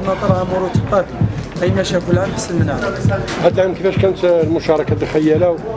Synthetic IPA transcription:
nɑt̪ˤɑɾˤʕamuɾut̪əqɑb̪ʔæjmæʃækʊlʕamħəsəlmənʕahæd̪lʕamkəfæʃkænət̪lmʊʃɑɾˤɑkad̪xæjːælæw

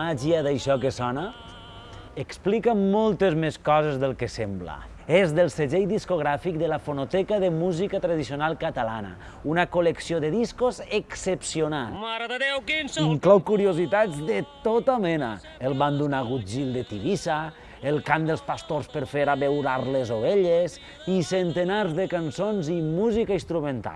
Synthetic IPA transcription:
aʒiaðajʃɔkesɔna | eksplikamɔlˠt̪ezmeskɔzezðelˠkesɛmbla̰ | ezðelˠseʒejðiskoɣ̞ɾafik̚d̪əlafonot̪ɛkaðemuzikat̪ɾaðisionalˠkat̪ala̰na̰ | unakoleksioðeðiskozeksepsionaewiŋŋklɔwkuɾiozit̪ad͡zðet̪ot̪amɛna̰ | elˠβand̪unaɣud͡ʒilˠd̪et̪iβisa | elˠkand̪eəlˠspast̪orspəɾfeɾaβewɾaɾlezoβeʎez | isent̪enaɾzðekansonzimuzikainst̪ɾumẽnt̪a̰lˠ

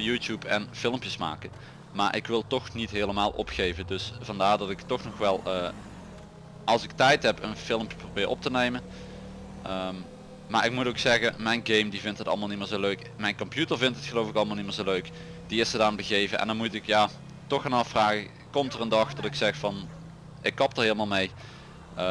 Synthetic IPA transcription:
juːtjupʰɛnfɪlˠmpjəsma̰ːkən | maːɹʔɪ̰kʋɪlˠtɔxnitɦeːləmaːlˠʔɔ̰pxejvədɵsvɑndaːɹdɑtɪktɔxnɔxʋɛlˠəː | ʔɑlˠsɪktɛjtɦɛpənfɪlˠəmpjə̥prowbɪːrɔp̚tənejmə | əm | maːɹɪk̚mutowksɛɣəmɛjnɡejmdivɪntɦətɑlˠəmaːlˠnimɪːɹzowløɥk | mɛjnkɔmpjutəɹvɪntɦətxəlowfɪkɑlˠmalˠniməːɹzowløɥk | d̥iɪsədaːnbəɣejvəʔɛ̰ndɑnmutɪkjaː | tɔxanɑfraːɣə | kɔmtərəndɑxdɔtɪksɛxfɑn | ɪkːɑp̚dəɹɦɪːləmaːlˠmej | ə

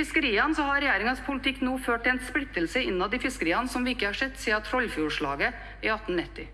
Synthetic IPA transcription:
ɪskəɾiːɑnəsɔhɑɾɛjæːɾɪŋənspʰʊlɪt̪ʰɪkːnoːføːʈːɛnsplɪt̪ːəlsəɪnːɑd̪ɪfɪskəɾiːɑnəsɔmʋɪɪkːəhɑʂɛt̪ːseːɑt̪ʰɾɔlːfjuːʂɭɑ̰ːɡə | ɪɑt̪ːn̩nɪt̪ːɪ

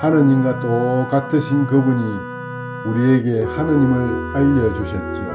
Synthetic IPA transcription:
hanɯɲimɡat͈okatʰɯɕʰinkɯbuɲi | uɾieɡe̞hanɯɲimɯɭaʎːʌd͡ʑuɕʰʌt̚t͡ɕ͈io̰

